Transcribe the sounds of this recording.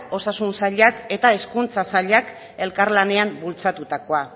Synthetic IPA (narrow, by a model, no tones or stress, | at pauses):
o̞sasunsaʎake̞t̪ae̞skunt͡sasaʎak | e̞lkaɾlane̞ambult͡sat̪ut̪ako̞a